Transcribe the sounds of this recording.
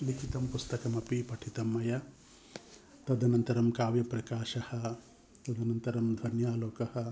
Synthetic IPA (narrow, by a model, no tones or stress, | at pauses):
likʰit̪ɐmpust̪ɐkɐmɐpipɐʈʰit̪ɐmːɐjɐ | t̪ɐd̪ʱɐnɐnt̪ɐɾɐmkaːʋjɐpɾɐkaːʃɐhɐ̆ | t̪ɐd̪ɐnɐnt̪ɐɾɐmd̪ʱɐnjaːloːkɐhɐ̆